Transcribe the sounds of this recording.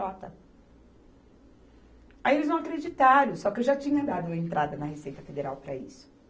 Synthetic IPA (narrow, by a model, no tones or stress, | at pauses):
ɔt̪ɐ | aielɪzɐ̃w̃akɾed͡ʒit̪aɾjʊsɔkɪewʒat͡ʃĩɲɐd̪ad̪ʊɐẽnt̪ɾad̪ɐnɐhesejt̪ɐfed̪eɾawpɾɐḭsʊ̥